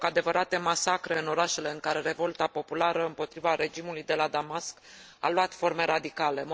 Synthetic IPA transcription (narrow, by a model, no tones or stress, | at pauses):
kad̪e̞vəɾat̪e̞masakɾe̞ɨno̞ɾaʃe̞le̞ɨŋkaɾe̞ɾe̞vo̞lt̪apo̞pulaɾəɨmpo̞t̪ɾivaɾe̞d͡ʒimulujd̪e̞lad̪amask | a̰lwat̪fo̞rme̞ɾad̪ikale̞m